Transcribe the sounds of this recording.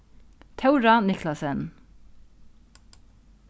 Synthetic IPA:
t̪ʰɛwɾanɪklasɛn

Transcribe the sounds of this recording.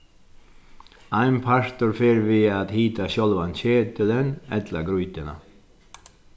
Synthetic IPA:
aɪnpʰaɹ̥t̪ʊɾfeːɾvɪaðhiːt̪aɕɔlʋançeːt̪ələnɛ̰t̪laɡɾujt̪ɪna̰

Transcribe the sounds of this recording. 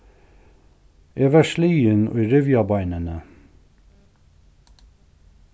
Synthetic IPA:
ʔeːʋæʃliːənʔo̰ːiːɾʏʋjɑbɑɪnənə

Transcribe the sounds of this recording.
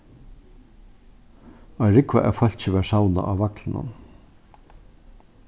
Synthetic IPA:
aɾɪkva̰ʔɛ̰fœl̥t͡ɕɪʋɛːɹsawna̰ʔaːwvaklɪnʊ̰n

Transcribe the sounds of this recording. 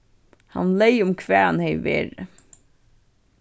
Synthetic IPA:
hɑ̰nleɪʊmkʰʋæːhɑnheɪʋḛːɾə

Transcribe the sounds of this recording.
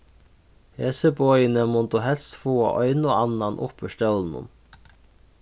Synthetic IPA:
heːsəbɔʏənəmɔnd̪uhɛlst̪foːɑ̰ʔœʏnoɑnɑnʔʊ̰pəʃʈœln̩ʊ̰m

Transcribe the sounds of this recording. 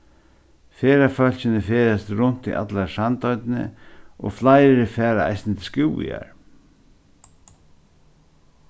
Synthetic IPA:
feːɾafœl̥ɕɪnɪfeːɾast̪ɾʊn̥t̪ḭʔa̰t̪laɾsant̪ɔjt̪nɪ̰ɔ̰ɣflajɾɪfɛːɾaa̰jsnɪt̪ʰɪskuːḭa̰ɹ

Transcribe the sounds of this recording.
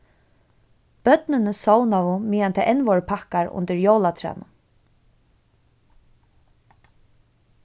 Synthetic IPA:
b̥œt̪nɪnəsoːwnavʊmiːant̪ʰɛʔɛnʋɔɹpʰahkaɹʊ̰nt̪ɪɹjoːwlat̪ʰɾɛ̰ːnʊ

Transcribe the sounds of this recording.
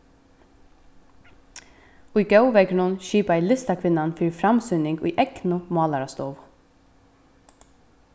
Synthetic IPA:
ʊjɡœwʋɛɡɳʊnʃiːpæɪlɪst̪akʰʋɪnanfiːɹfɾamsʏnɪŋɡʊ̰jʔɛknʊmɑːlaɾast̪ɔːʋ

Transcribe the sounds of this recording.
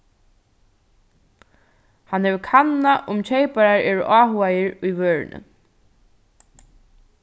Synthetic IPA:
hanhɛʋɪkʰanːaʔʊmt͡ɕʰejpaɹaɹɛːɹʊʔaːɦʊajɪɹʊjʋøːɹ̰nə̰

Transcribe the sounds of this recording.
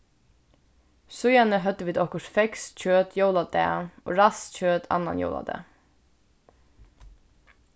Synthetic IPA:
sʉjɑnəɦœt̪əʋiːd̪ɔkəʃfɛksc͡çøːt̪ʰjoʊlɑd̪ḛːʔo̰ːɹɑsc͡çøːt̪ʰɑ̰nɑ̰njo̰ːlɑ̰d̪ḛː

